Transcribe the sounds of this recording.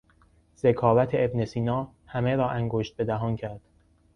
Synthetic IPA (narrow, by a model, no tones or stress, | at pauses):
z̥e̞kʰɒːvæt̪ʰeebnesiːnɒː | hæmeɾɒːʔæŋɡoʃt̪̚be̞d̪æɦɒːncʰæɾd̪̥